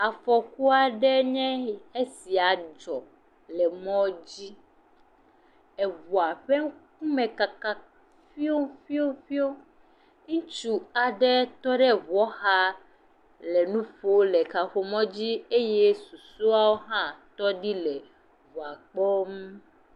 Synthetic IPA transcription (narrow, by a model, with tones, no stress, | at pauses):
a˨fɔ˨ku˦a˦ɖɛ˦ɲɛ̃˦e˦si˨a˨d͡ʒɔ˨ | lɛ˨mɔ̃˦d͡ʑi˦ | ɛ˨vu˨a˨ɸɛ˦ŋ˦k̚u˦mɛ̃˨ka˨ka˨ | fi˦o˦ŋ˦fi˦o˦ɸi˦o˦ | ŋũ˦t͡ʃu˦a˨ɖɛ˦t̪ɔ˦ɖɛ˦vɔ˦xa˦ | lɛ˨nũ˦ɸo˦lɛ˨ka˨ɸo˨mɔ̃˦d͡ʑi˦e˦je˦su˨su˦a˦wo˦ɦã˦t̪ɔ˦ɖi˦lɛ˨ | vu˨a˨k͡pɔ˦m˦